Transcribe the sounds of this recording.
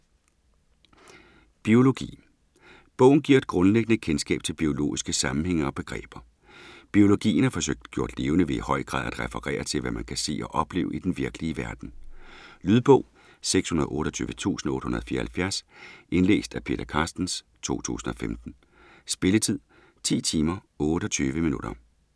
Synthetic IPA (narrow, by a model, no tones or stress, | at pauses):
b̥io̝lo̝ɡ̥ḭː | b̥ɔ̽ʊn̩ɡ̥iɐed̥̚ɡ̥ʁɔ̽nleɡ̥ənəkʰensɡ̥ɛ̰ːb̥̚t͡sʰelb̥io̝lo̝̰ːisɡ̥əsɑ̈mn̩heŋ̰ɐɒ̽b̥e̝ɡ̥ʁɛ̰ːb̥ɐ | b̥io̝lo̝ɡ̥ḭːn̩hɑ̈fɒ̽søɡ̥̚d̥ɡ̥jo̝ɐd̥le̝ːʊnəʋe̝ihɒ̽ɪ̰ɡ̥ʁɑ̰̈ðˠæd̥ʁɛfəʁɛ̰ːɐt͡sʰe̝lʋæmænkʰæse̝̰ːɒ̽ʔɒ̽b̥le̝ːʊid̥enʋiɐɡ̥əliəʋæɐd̥n̩lyð̞ˠb̥ɔ̽ʊ̰ | seɡ̥shunɐð̞ˠʔɔ̽ːɾ̥ɒt͡sʰy̰ːʋət͡sʰṵːsn̩ɔ̽ːd̥hunɐðˠfḭːɐhælfjæɐsʔe̝nle̝̰ːsd̥æpʰe̝̰ːɾ̥ɐkʰɑ̈sd̥n̩s | t͡sʰo̝̰ːt͡sʰṵːsn̩ɒ̽femd̥n̩ | sb̥e̝lət͡sʰið̰ˠ | t͡sʰḭːt͡sʰiːmɐ | ɔ̽ːɾ̥əɒt͡sʰyːʋəminuɾ̥ɐ